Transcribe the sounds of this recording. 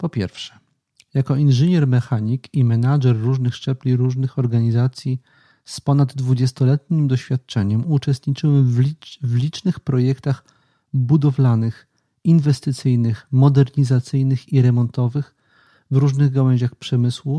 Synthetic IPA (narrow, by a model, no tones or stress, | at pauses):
pɔpʲjɛ̰ɾfʂɛ̥ | jakɔinʐɘɲɛɾmɛxaɲikimɛnaʐɛrːuʐnɘxʂt͡ʂɛplʲiɾuʐnɘxɔɾɡaɲizat̪sʲji | spɔnad̪ːvud͡ʑɛst̪ɔlɛt̪̚ɲimd̪ɔɕfʲjat̪̚t͡ʂɛɲɛmut͡ʂɛst̪ɲit͡ʂɘwɛmvʲvlʲit͡ʂnɘxpɾɔjɛkt̪ax | bud̪ɔvlanɘx | invɛst̪ɘt̪sɘjnɘxmɔd̪ɛɾɲizat̪sɘjnɘxiɾɛmɔnt̪ɔvɘx | vɾuʐnɘɣɡawɛɲʑaxpʂɛmɘswu